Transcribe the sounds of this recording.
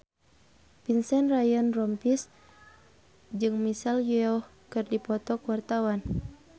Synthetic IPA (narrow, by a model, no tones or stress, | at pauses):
pinsɛnrajɔnrɔmpis | d͡ʒɨŋmisaljuɔ | kɨrdipɔt̪ɔkuwart̪awan